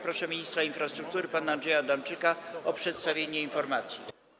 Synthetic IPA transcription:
pɾɔʂɛmʲiɲist̪ɾainfɾast̪ɾuk̚t̪uɾɘpanaːndʐɛjad̪amt͡ʂɘkaɔpʂɛt̪st̪avʲjeɲɛinfɔɾmat̪sʲjḭ

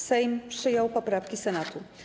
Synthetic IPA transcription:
sɛjmpʂɘjɔwpɔpɾafkʲisɛnat̪u

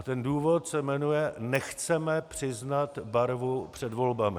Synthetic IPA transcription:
at̪ɛnduːvo̞t̪sɛmɛnujɛnɛxt͡sɛmɛpr̝̥ɪznat̪baɾvupr̝̥ɛdvo̞lbamɪ

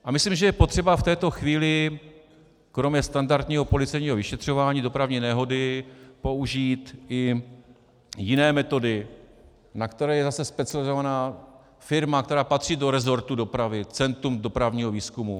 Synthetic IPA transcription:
ʔamɪslimʒɛjɛpot̪r̥ɛbaft̪ɛːt̪o̞xviːlɪ | kɾo̞mɲɛst̪andaɾd̪ɲiːɦo̞po̞lɪt͡sɛjɲiːɦo̞vɪʃɛt̪r̝̥o̞vaːɲiːdo̞pɾavɲiːnɛɦo̞dɪpo̞uʒiːt̪ɪ | jɪnɛːmɛt̪o̞dɪ | nakt̪ɛɾɛːjɛzasɛspɛt͡sɪalɪzo̞vanaː | fɪɾmakt̪ɛɾaːpat̪r̝̥iːdo̞ɾɛzo̞ɾt̪udo̞pɾavɪt͡sɛnt̪ɾumdo̞pɾavɲiːɦoviːskumu

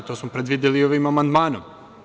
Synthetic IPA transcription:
t̪oːsmopɾed̪ʋid̪ilioʋimamand̪maːnom

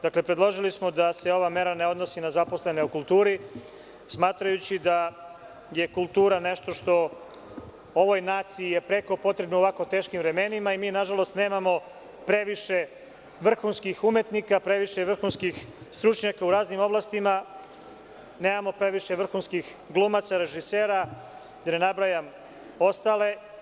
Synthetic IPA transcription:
d̪akle̞pɾed̪lˠo̞ʒilismo̞d̪ase̞o̞ʋame̞ɾaneo̞d̪no̞sinazapo̞sle̞neokulˠt̪uːɾi | smaːt̪ɾajut͡ɕid̪a | je̞kulˠt̪uːɾane̞ʃt̪o̞ʃt̪o̞ | oʋo̞jnaːt̪siijepɾe̞ko̞po̞t̪ɾe̞bnooʋako̞t̪eːʃkimʋɾe̞me̞nimaimiːnaʒalo̞st̪ne̞ːmamo̞ | pɾe̞ʋiʃe̞ | ʋr̩xunskixume̞t̪nikapɾe̞ʋiʃeʋr̩xunskixst̪ɾut͡ʃɲakauɾaːznimo̞blˠast̪ima | ne̞ːmamo̞pɾe̞ʋiʃe̞ʋr̩xunskix | ɡlˠumat̪saɾe̞ʒiseːɾa | d̪anenabɾajam | o̞st̪ale̞

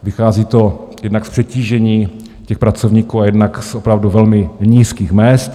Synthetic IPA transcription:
vɪxaːziːt̪o̞jɛdnakspr̥ɛciːʒɛɲiː | cɛxpɾat͡sovɲiːkuːajɛdnaksʔopɾavduvɛlmɪɲiːskiːxmɛst̪

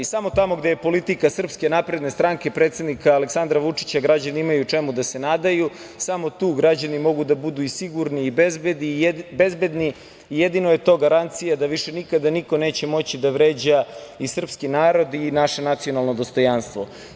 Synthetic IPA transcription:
isamo̞t̪amo̞ɡd̪e̞jepo̞lit̪ikasr̩pske̞napɾe̞d̪ne̞st̪ɾaŋkepɾe̞ːt̪sed̪nikaːle̞ksand̪ɾaʋut͡ʂi̥t͡ɕaɡɾad͡ʑaniimajut͡ʂe̞mud̪ase̞naːd̪aju | samo̞t̪uːɡɾad͡ʑanimo̞ɡud̪abud̪uisiɡuɾniːbezbed̪ibe̞zbe̞d̪niː | jed̪inoje̞t̪o̞ːɡaɾant̪sijad̪aʋiʃe̞nikad̪aniko̞ne̞ːt͡ɕe̞mo̞t͡ɕid̪aʋɾe̞ːd͡ʑaisr̩pskinaːɾo̞d̪inaʃe̞nat̪sijo̞nalˠno̞d̪o̞st̪o̞janst̪ʋo̞

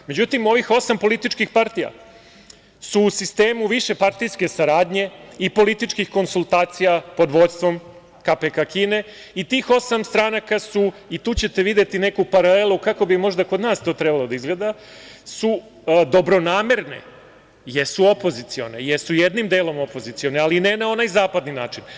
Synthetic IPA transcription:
me̞d͡ʑut̪imo̞ʋixo̞sampo̞lit̪it͡ʃkixpaɾt̪ija̰ | suːsist̪e̞ːmuʋiʃe̞paɾt̪ijske̞saɾaːd̪ɲe̞ipo̞lit̪it͡ʃkixko̞nsulˠt̪aːt̪sijapo̞d̪ʋo̞d̪st̪ʋo̞m | kapekakiːne̞ | it̪iːxo̞samst̪ɾanakasuit̪uːt͡ɕe̞t̪e̞ʋid̪jet̪ine̞kupaɾale̞lˠukako̞bimo̞ʒd̪ako̞d̪naːst̪o̞ːt̪ɾe̞balˠod̪aizɡled̪a | su | d̪o̞bɾo̞naːmeɾne̞̰ | jesuopo̞zit̪sio̞̰nḛjesujed̪nimd̪eːlo̞mo̞po̞zit̪sio̞nealinenao̞naːjzaːpad̪ninaːt͡ʃin

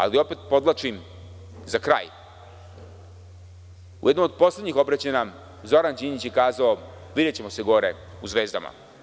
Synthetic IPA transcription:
a̰lio̞pet̪̚po̞d̪lat͡ʃim | zakɾa̰ːj | ṵje̞d̪nomod̪̚po̞sledɲixo̞bɾat͡ɕena | zo̞ɾand͡ʑiːnit͡ɕjekaːzao̞ | ʋid̪et͡ɕe̞mo̞se̞ɡo̞ɾe | uzʋeːzd̪a̰ma̰

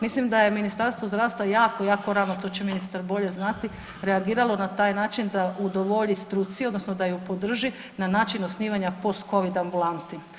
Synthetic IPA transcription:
mislimd̪aje̞minist̪aɾst̪ʋozd̪ɾaːʋst̪ajaːko̞jaːko̞ɾaːnot̪o̞ːt͡ɕeminist̪aɾbo̞ʎe̞znat̪i | ɾeaɡiːɾalˠo̞nat̪aːjnaːt͡ʃind̪aʔud̪oʋoʎist̪ɾut̪sio̞d̪nosnod̪ajupo̞d̪r̩ʒi | nanaːt͡ʃinosniːʋaɲapo̞st̪ko̞ʋid̪ambulˠant̪i

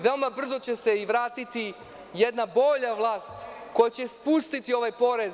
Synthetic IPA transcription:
ʋe̞o̞mabr̩zo̞t͡ɕeseiʋɾaːt̪it̪i | jed̪nabo̞ʎaʋlˠaːst̪ko̞jat͡ɕespust̪it̪io̞ʋajpo̞ɾe̞z

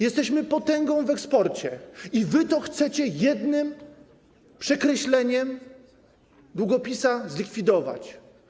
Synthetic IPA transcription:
jɛst̪ɛɕmɘpɔt̪ɛŋɡɔ̃w̃vɛkspɔɾt͡ɕɛivɘt̪ɔxt̪sɛt͡ɕɛjɛd̪nɘm | pʂɛkɾɛɕlɛɲɛm | d̪wuɡɔpʲisazlʲikfʲid̪ɔva̰t͡ɕ

